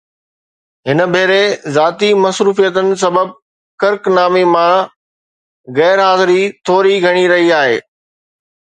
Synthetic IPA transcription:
ɦɪnə̆bʱeːɾezaːt̪imɐsɾuːfijət̪ənɪ̆s̬ɐbəb̚ | kɐɾknaːmimã | ɣɛːɾɦaːzɪɾit̪ʰoːɾiɡʱɐɽ̃iɾɐɦiaːɦḛː

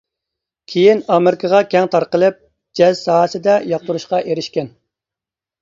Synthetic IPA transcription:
kʲʰejinɑmeɾɪkʰəʁɑkʲʰɛŋt̪ʰɑɾqəlˠɨp̚ | d͡ʒɛzsɑːsɪd̪ɛjɑq̚t̪uɾuʃqɑʔeɾɪʃkʲɛn

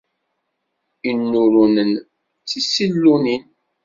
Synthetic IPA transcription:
inːuɾunən | t͡sːisilːunin

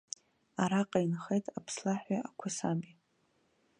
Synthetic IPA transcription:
aɾaqʼainχejtʼapʰslaħʷaakʷʰasami

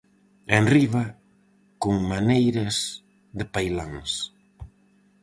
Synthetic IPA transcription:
enriβɐ | koŋmanejɾɐs | ðɪpajlaŋs

